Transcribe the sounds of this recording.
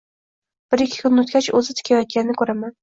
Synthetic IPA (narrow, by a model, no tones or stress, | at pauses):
b̥ɪɾɪkʲʰːɪ̥kʰʲʊnot̪̚kʲat͡ʃɵzɪt̪ʰɪ̥kʲʰajɒt̪̚ɡʲanɪnɪkʰʲɵɾaman